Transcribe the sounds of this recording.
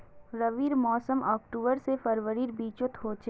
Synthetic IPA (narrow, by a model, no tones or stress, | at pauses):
ɾəʋiːɾmɔːsəmɔːkʈuːbəɾsefəɾʋəɾiːɾbiːt͡ʃot̪ʰɦoːt͡ʃe